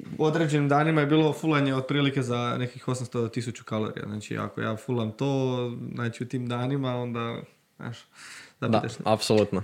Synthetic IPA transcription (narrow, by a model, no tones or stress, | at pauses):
o̞d̪ɾe̞d͡ʑe̞nimd̪aːnimaje̞biːlˠo̞fulˠaɲe̞od̪̚pɾiːlike̞zanekakixo̞samst̪ot̪isut͡ɕu̥kalo̰ɾḭa̰znaːt͡ʃḭa̰ko̞̰ja̰ːfulamt̪oːznaːt͡ʃiut̪iːmd̪aːnimao̞nd̪a | na̰ʃt̪ozadit̪eʃapsolut̪no